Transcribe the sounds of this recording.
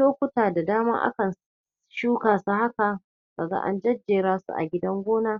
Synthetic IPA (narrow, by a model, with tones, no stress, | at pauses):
oː˦kʷʊ˦taː˨da˨daː˦ma̰ː˦ʔa̰˦kɐ˨n | ʃuː˦kaː˨su˦ha˦ka˨ | ka˨za̰ː˦ʔa̰˦nd͡ʒɐ˦d͡ʒːeː˨ɾaː˦sṵ˨ʔa̰˨ɡʲɪ˦dɐ˦ŋɡʷoː˦naː˦